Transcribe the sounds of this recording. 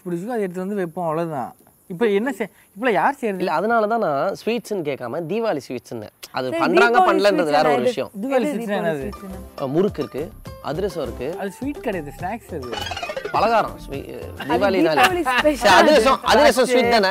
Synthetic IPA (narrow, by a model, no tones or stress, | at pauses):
spʊɽɪt͡ʃːɯkːɯ̃ɐðɯɛɽɯt̪ːɯʋɐnd̪ɯʋɛpːõɐʋɭɐðɯt̪ã̰ː | ɪpːoɛnːɐsɛ | ɪpːɔɭojaːɾsɛjɾɐðɪlːɛɐðɐnaːlɐt̪̬ãːnãːsʋiːʈsɯnːɯk̬eːkːaːmɐd̪iːʋaːlisʋiːʈsɪnːɐ̰̃ɐ̰ðɯpɐɳɖɾaːŋɡɐpɐɳːɐlɐːndɾɐðɯʋeːɾɐɔɾɯʋɪɐjɐ̰̃ʋaːlisisnɛnːɐɯmʊɾɯkːɪɾɯkːɯɐ̰ðɪɾɛsɔ̃ɪɾɯkːɯɐðɯsʋiːʈ̚kɐɽɐjɐðɯsʈaːksɪðɯpɐlɐɣaːɾɐ̰̃sʋḭːd̪iːʋaːlinaːllsɐɐðɯɾɛs̬ɔ̃ɐ̰ðɪɾɛsɔ̃sʋiːʈ̚d̪aːnːɐ